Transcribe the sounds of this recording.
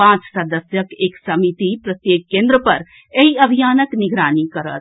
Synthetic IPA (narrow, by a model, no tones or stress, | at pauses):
ãt͡ʃsəd̪əsjəkeːksəmit̪ipɾət̪jeːkːẽnd̪ɾəpɐɾ | eɦiəbʱijaːnəknɪɡɾaːnikəɾə̰t̪